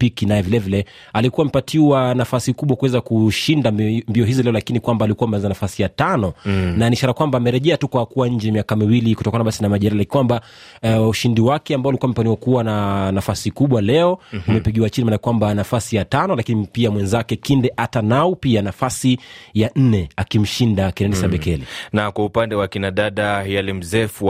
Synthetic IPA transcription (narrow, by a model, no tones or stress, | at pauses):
pikinajɛvilɛvilɛ | alikuwamɛpatʰiwanafasikuɓwakuwɛzakuʃindambiɔɦizilɛɔlakinikwambaːlikuwaːmɛanzanafasijatanɔnaniːʃaɾakwambaːmɛɾɛʄɛatukwakuwaɲ̩d͡ʒɛmiakamiwilikutɔkanaɓasinamaʄɛɾalakwamba | uʃindiwakɛambaɔalikuwamɛpaniwakuwananafasikuɓwalɛɔumɛpiɠiwat͡ʃinimanakwambanafasijatanɔlakinipiamwɛnzakɛkindɛʔatanaupianafasijan̩nɛakim̩ʃindakɛnɛnisaɓɛkɛlinakwaupandɛwakinaɗaɗajalim̩zɛfu